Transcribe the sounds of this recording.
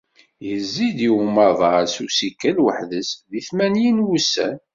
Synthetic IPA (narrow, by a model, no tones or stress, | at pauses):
jəzːid̪iwmɑðˤɑsusikːælwəħðəsðiθmænjinwusæ̰n